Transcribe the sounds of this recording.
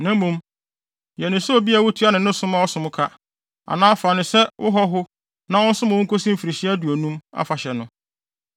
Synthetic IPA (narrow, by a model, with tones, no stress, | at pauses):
nã˦mũ˦m | jɛ˨nɪ̃˨sʊ˦o˦˨bi˦a˨wo˦tʰu˨˦a˦nɪ̃˨nʊ̃˦sʊ̃˦mã˦ɔ˦sʊ̃˨mʊ̃˦kʰa˦ | a̰˨nãː˦fa˨nɪ̃˨sɛ˦wʔʊ̰˦ɦɔ˦ɦʊ˦ | nã˦wʊ̃˦n̩˦sʊ˦mã˨ʊ̃˦ŋ̩˦kʰo˦sĩ˦m̩˦fi˨ɾi˨ɕɪ˦æ˦du˨o˨nũ˦ma̰˦fa˨ɕɛ˨nʊ̃˦